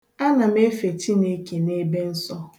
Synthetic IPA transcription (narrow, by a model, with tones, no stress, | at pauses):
a˦na˨me˦fe˨ti˦ne˦ke˨ne˦be˦n̩˦sɔ˦